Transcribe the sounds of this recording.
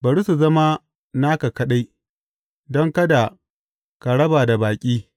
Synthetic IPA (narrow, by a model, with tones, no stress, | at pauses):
bɐ˨ɽu˦su˨zɐ˦ma˦ | na˦ka˨kɐ˦ɗa˦j | dɔ˦ŋkɐ˦da˨ | ka˨ɽɐ˦baː˨da˨baː˨kʲʼiː˦